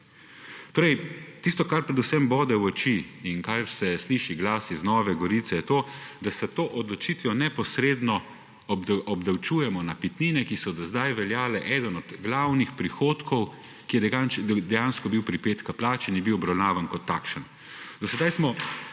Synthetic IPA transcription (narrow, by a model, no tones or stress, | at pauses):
t̪oːɾɛjt̪ist̪ɔkaɾpɾɛd̪usɛmbɔːd̪ɛwɔt͡ʃiːnkaɾsɛsliːʃiɡlaːsiznɔːʋɛɡɔɾiːt̪sɛjɛt̪oːd̪asɛt̪oːʔɔd̪lɔt͡ʃiːt̪ʋjɔnɛpɔsɾeːd̪nɔ | ɔbd̪awt͡ʃujɛmɔnapit̪niːnɛkisɔd̪ɔzd̪ajʋɛljaːlɛʔɛd̪ənɔd̪ɡlawnixpɾixoːt̪kʰɔw | kijɛd̪ɛjansd̪ɛjanskɔbiwpɾipeːt̪kaplaːt͡ʃinjɛbiwɔbɾawnaːʋankɔt̪ːa̰kʃən | d̪ɔsɛd̪ajsmɔ